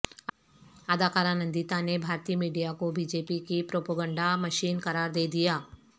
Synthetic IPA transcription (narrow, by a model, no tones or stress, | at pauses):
ad̪aːkaːɾanə̃nd̪it̪anebʱaːɾt̪iːəmiːɖijakobiːd͡ʒeːpikipɾoːpəɡə̃ɳɖamɐʃiːnkɐɾaːɾd̪eːd̪ijaː